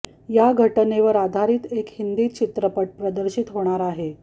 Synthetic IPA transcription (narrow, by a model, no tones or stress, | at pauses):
jaɡʱəʈəneʋəɾad̪ʱaɾiːt̪ekhind̪iːt͡ɕit̪ɾəpəʈ̚pɾəd̪əɾɕit̪ɦoɽ̃aɾaɦe